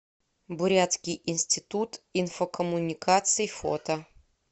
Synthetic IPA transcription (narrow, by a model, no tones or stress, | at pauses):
bʊɾʲat̪skʲɪjʔɪnʲsʲtʲɪt̪ut̪infokəmʊnʲɪkat̪sɨjifo̰t̪ə